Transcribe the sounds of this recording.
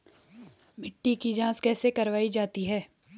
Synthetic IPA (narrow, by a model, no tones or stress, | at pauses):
mɪʈːikid͡ʒãːskɛːsekɐɾʋaːid͡ʒaːt̪iɦɛː